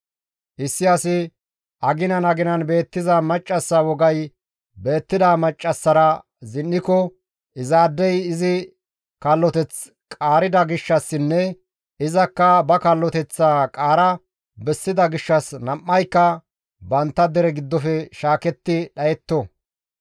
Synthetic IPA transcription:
ʔɪsːɪɐsɪ | ʔɐɡɪnɐnɐɡɪnɐnbe̞ːt̪ːɪzɐmɐt͡ʃʼːɐsːɐwɔɡɐj | be̞ːt̪ːɪd̪amɐt͡ʃʼːɐsːɐɾɐ | zɪnːɪkɔ | ʔɪzaːd̪ːɛjɪzɪ | kɐlːɔt̪ɛt͡s | kʼaːɾɪd̪ɐɡɪʃːɐsːɪnːɛ | ɪzɐkːɐbɐkɐlːɔt̪ɛt͡sːaːkʼaːɾɐ | bɛsːɪd̪ɐɡɪʃːɐsnɐmːɐjkːɐ | bɐnt̪ːɐd̪ɛɾɛɡɪd̪ːɔfɛʃaːkɛt̪ːɪɗɐjɛt̪ːɔ

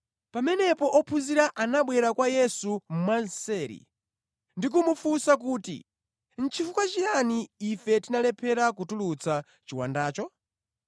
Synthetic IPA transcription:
pamɛnɛpɔʔɔpʰuziɾaʔanaɓwɛɾakwajɛsum̩mansɛːɾḭ | ndik̬umufusak̬uːtḭ | n̩t͡ʃʰifukwat͡ʃijaniːfɛtinalɛpʰɛɾakutulut͡sa | t͡ʃiwa̰ndaːt͡ʃɔ

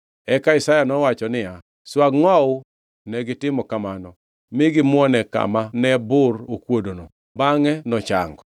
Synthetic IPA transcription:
ɛkaɪsajanɔwat͡ʃɔnɪja | swaɡŋɔʊ | nɛɡɪtɪmɔkamanɔ | mɪɡɪmwɔnɛka̰manɛbʊrokwodono | baŋɛnɔt͡ʃa̰ŋɡɔ

